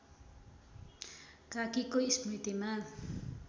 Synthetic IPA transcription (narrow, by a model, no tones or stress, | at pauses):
kakikoismit̪ima